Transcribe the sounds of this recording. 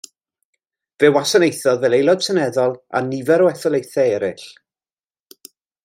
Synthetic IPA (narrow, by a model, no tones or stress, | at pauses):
vɛwasɔnejθɔðvɛlejlˠɔd̥sənɛðɔlˠa̰nivɛɾɔɛθɔlˠejθɛɛɾɪɬ